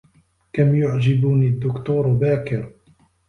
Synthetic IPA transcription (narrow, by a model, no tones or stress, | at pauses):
kamjʊʕd͡ʒɪbuːnid̪ːʊkt̪uːɾbaːkɪɾ